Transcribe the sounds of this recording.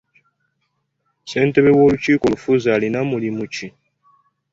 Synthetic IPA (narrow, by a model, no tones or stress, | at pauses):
se̞ːnte̞βe̞wo̞ːluciːko̞lufuzalinamulimuci